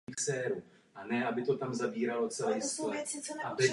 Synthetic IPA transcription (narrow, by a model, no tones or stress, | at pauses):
xsɛːɾu | ʔanɛʔabɪt̪o̞t̪amzabiːɾalo̞t͡sɛlɛjsklɛabɪ